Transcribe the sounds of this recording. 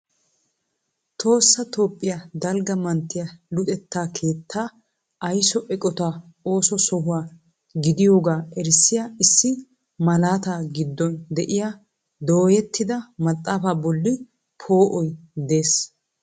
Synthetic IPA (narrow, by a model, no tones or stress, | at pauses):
t̪o̞ːsːɐt̪o̞ːpʼːɪjad̪ɐlɡɐmɐnt̪ːɪjɐlʊt̪ʼɛt̪ːaːkʰe̞ːt̪ʰːaː | ʔɐjsɔʔɛkʼɔt̪aː | o̞ːsɔsɔɦʊwaː | ɡɪd̪ɪjo̞ːɡaːɛɾsːɪjaːɪsːɪ | mɐlaːt̪aːɡɪd̪ːɔnd̪ɛʔɪjaː | d̪o̞ːjɛt̪ːɪd̪ɐmɐt̪ʼːaːfaːbɔlːɪ | pʰo̞ːʔɔjd̪e̞ːs